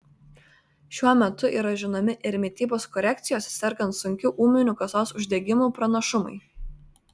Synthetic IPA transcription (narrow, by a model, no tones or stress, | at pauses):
ʃʲuɔmʲɛt̪ʊʔiːɾɐʒʲɪnomʲɪʔɪɾʲmʲɪt̪ʲiːboːskɔɾʲɛk̚t̪sʲɪjoːsʲsʲɛɾkɐnt̪sʊŋʲkʲʊʔuːmʲɪnʲuːˑkɐsoːsʊʒʲd̪ʲɛɡʲɪmuːpɾɐnɐʃʊmɐ̰ɪ